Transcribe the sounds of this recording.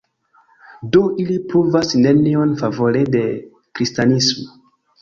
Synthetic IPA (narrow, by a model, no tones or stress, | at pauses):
doilipɾuvasne̞nio̞nfavo̞lede̞ | kɾistanismo̥